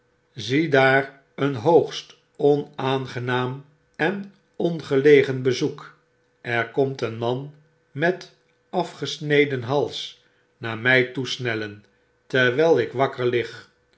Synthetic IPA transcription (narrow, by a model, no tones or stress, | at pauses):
zidaːr | ənɦowχst | ɔnaːnχənaːm | ɛn | ɔnχəlejχənbəzuk | ʔɛɹkɔmtənmɑn | mɛt | ɑfχəsnejdənɦɑlˠs | naːɹmɛjtusnɛlən | tɛɹʋɛlˠɪkʋɑkəɹlɪχ